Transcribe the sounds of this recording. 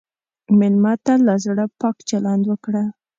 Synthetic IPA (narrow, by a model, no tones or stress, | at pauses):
mɪlmɑt̪alɑzɽapɑkt͡ʃalɑnd̪wəkɽa